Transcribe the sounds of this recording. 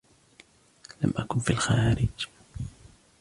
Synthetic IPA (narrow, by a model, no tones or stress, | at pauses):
la̰mʔakʊnfiːlxaːɾɪd͡ʒ